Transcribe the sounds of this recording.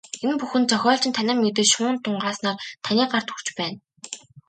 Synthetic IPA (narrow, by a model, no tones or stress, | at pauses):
enpuxɘ̆nt͡sœxʲɔːɬt͡ɕɪ̆nt̪ʰanʲɪ̆mmet̪̬ɘ̆t͡ɕʃʊːnt̪ʰːʊɴɢaːsnaːrt̪ʰanʲiːɢart̪xur̥t͡ɕpæːn